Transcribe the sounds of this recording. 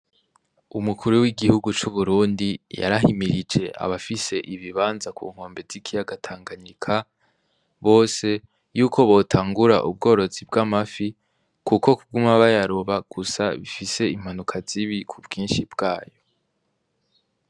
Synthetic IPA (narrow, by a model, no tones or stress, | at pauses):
umukuɾuwiɡihuɡut͡ʃuβuɾuːndija̰ɾaɦimiɾid͡ʒeʔa̰βafise̞ʔiβiβaːnzakʰṵːŋ̥ho̞ːmbevz̥ikʰijaɡatʰaːŋɡaɲikʰa | βo̞ːse̞ | juːkʰo̞βo̞tʰaːŋɡuɾa̰ʔub̚ɡo̞ːɾo̞zibɡamafi | kuko̞kuɡumaβajaɾoβaɡ̥usa̰βifise̞im̥hanukʰaz̥iβikʰubɡiːnʃibɡ̥aːjo̞